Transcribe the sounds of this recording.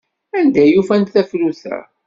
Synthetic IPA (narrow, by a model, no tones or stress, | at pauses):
ænd̪æjufænθæfluθæ̰